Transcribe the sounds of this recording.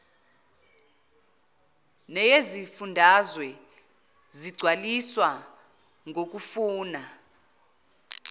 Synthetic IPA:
nɛjezifundʱazwɛ | ziɡ͡ǀʱwaliswa | ŋʱok̬ʼufuːna

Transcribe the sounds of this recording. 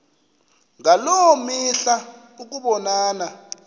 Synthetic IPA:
ŋalɔwomiɬa | uk̬ʼuɓɔnaːna

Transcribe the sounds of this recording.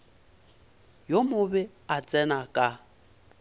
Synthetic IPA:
jomʊbɛ | at͡sʼɛnakʼa

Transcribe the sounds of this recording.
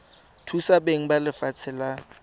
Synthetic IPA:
tʰusabeŋ̩balɪfat͡sʰɪla

